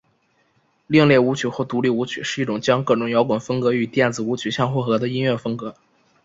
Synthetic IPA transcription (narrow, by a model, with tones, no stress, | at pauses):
li˥˧ŋljɛ˥˩u˧˥t͡ɕʰy˨˩xwɔ˥˩t̪u˧˥li˥˩u˧˥t͡ɕʰy˨˩ʂɻ̩˥˧i˥˩ʈ͡ʂʊ˨˩ŋt͡ɕjɑ˥ŋkɤ˥˩ʈ͡ʂʊ˧˥ŋjɑ˧˥ʊkwa˨˩nfə˥ŋkɤ˧˥y˨˩t̪jɛ˥˩nd͡zɹ̩˨˩u˧˥t͡ɕʰy˨˩ɕjɑ˥˧ŋxwɔ˥˩xɤ˧˥d̪ə˧i˥nɥɛ˥˩fɤ˥ŋkɤ˧˥